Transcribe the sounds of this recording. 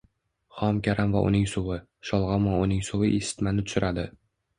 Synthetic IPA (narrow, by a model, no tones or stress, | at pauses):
χɒmkʲaɾamvaʔʊ̰nɪŋsʊwɪ | ʃɒlˠʁɒmɒʊnɪŋsʊwɪʔesɪ̥t̪manɪt̪ʰʊ̥ʃɪɾʔad̪ɪ